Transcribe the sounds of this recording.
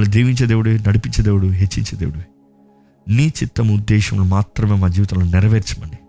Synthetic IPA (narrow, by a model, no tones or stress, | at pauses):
lud̪eːʋiɲt͡ʃed̪eːʋuɽunɐɽipiɲt͡ʃɐd̪eːʋuɽuɦet͡ʃːḭɲt͡ʃed̪eːʋuɽu | niːt͡ʃit̪ːɐmud̪ːɛːʃɐmlumaːt̪ɾɐmeːmaːd͡ʒiːʋit̪ɐlunɪɾɐʋeːɾt͡ʃimɐni